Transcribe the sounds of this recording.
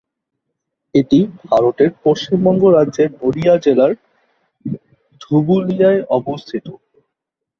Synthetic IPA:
eʈibʱaɾoʈeɾpoʃt͡ɕimbɔŋɡoɾadːʑeɾnoɾijad͡ʑelaɾ | d̪ʱubulijaeʔɔbost̪ʰit̪o

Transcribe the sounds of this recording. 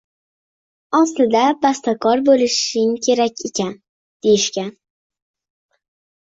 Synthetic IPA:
ɒslɪd̪abast̪akʰɒɾbolɪʃɪŋkʲʰe̞ɾakʲe̞kʲan | d̪̥e̞jɪʃkʲan

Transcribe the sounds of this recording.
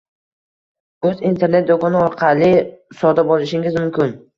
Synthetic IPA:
ɵzint̪ʰe̞ɾne̞t̪̚d̪okʰɒnɪɒɾqʰalɪsɒd̪abɒlˠɪʃɪŋɪzmʊmkʲɪn

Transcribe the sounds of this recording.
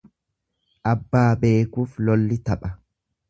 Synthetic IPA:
ʔɐbːaːbe̞ːkuːflɔlːɪt̪ɐpʼɐ

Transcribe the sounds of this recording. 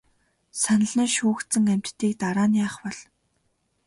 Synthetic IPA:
sanə̆ɮə̆ːʃuːxt̪t͡sɘ̆ŋæm̥ʲt̪ːiːkt̪aɾaːnjaːχpɔɮ̥

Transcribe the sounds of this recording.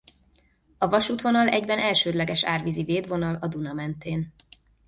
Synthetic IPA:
ɒvɒʃuːt̪ʋo̞nɒlɛɟbɛnʔɛlʃøːd̪lɛɡɛʃa̰ːrviziveːd̪vo̞nɒlɒd̪unɒmɛnt̪eːn

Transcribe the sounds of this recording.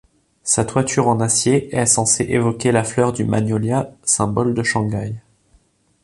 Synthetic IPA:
sat̪wat̪ʰyʁɑ̃nasjeɛsɑ̃seʔevɔkʲelaflœʁd̪yma̰ɲɔljasɛ̃bɔld̪əʃɑ̃ɡaj

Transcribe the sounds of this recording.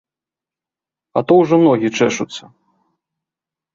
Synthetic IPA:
ɐt̪ɔwʐɔmnɔɣʲit͡ʂɛʂut̪sːɐ

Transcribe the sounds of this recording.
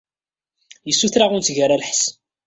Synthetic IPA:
jəsːuθɾaʁʊnt̪ʝaɾˤalħs

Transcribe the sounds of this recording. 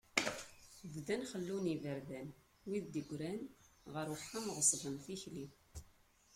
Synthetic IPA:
vðænχəlːunivəɾðæn | wiðd̪əɡʷɾænʁəɾəħːamʁəsˤðˤənθiçli

